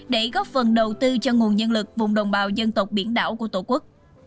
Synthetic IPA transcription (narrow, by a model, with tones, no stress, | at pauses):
ɗe˧˩ɣɔ˦˥fə˨˩nɗə˨˩wt̪ɨ˧t͡ɕɔ˧ŋu˨˩ənɲə˧nlɨ˨˩k̚vʊ˨˩ŋ͡mɗə˨˩wŋ͡mɓaː˨˩wzə˧nt̪ə˨˩wk͡p̚ɓi˧˩ənɗa̰ː˧˥wku˧˩ət̪o˧˩˦ku˦˥k̚